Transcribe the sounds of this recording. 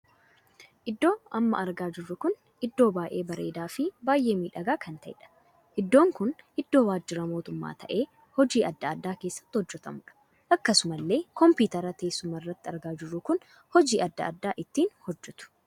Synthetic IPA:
ʔɪd̪ːo̞ːʔɐmːɐ̰ʔɐɾɡaːd͡ʒɪrːʊkʊn | ɪd̪ːo̞ːbaːʔe̞ːbɐɾe̞̰ːd̪aːfɪbaːjʔe̞ːmiːᶑɐɡaːkʰɐnt̪ɐɪ̰ᶑɐ̥ | ʔɪd̪ːoːŋkʊnʔɪd̪ːo̞ːwaːd͡ʒːɪɾɐmo̞ːt̪ʊmːa̰ːt̪ʰɐʔe̞ː | hɔd͡ʒiːʔɐd̪ːɐɐd̪ːaːke̞ːsːɐ̥t̪ːɪhɔd͡ʒːɛt̪ɐ̰mʊᶑɐ̥ | ʔɐkːɐsʊmɐlːe̞ːkɔmpiːt̪ɐɾɐt̪eːsːʊmɐrːɐt̪ːɪɐɾɡaːd͡ʒɪrːʊkʊn | hɔd͡ʒiːʔɐd̪ːɐ̰ɐd̪ːaːʔɪt̪ːiːnhɔd͡ʒːɛt̪ʊ̥

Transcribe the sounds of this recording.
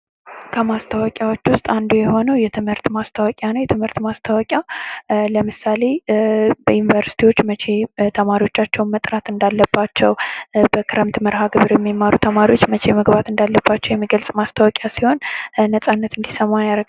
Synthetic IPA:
kʰəmast̪ʰawɔkʼjawot͡ʃːwʊst̪ʼand̪ujɛho̞nəwjɛt̪ʰɨmhɨɾt̪mast̪ʰawɔkʼjanəwjɛt̪ʰɨmhɨɾt̪mast̪ʰawɔkʼjaləmɨsale̞bəjunvəɾsi̥t̪ʰiwo̞t͡ʃːmət͡ʃʰe̞t̪ʰəmaɾiwo̞t͡ʃːat͡ʃːɛwnmət̪ʼɾat̪ɨnd̪alːəbːat͡ʃːɛwbəkʰɨɾəmt̪məɾhaɡɨβɨɾjɛmːimːaɾut̪ʰəmaɾiwo̞t͡ʃːmət͡ʃʰe̞məɡbat̪ɨnd̪alːəbːat͡ʃːɛwjɛmːiɡəlsʼmast̪ʰawɔkʼjasiho̞nnəsʼanːət̪ɨnd̪isəmːajaɾə

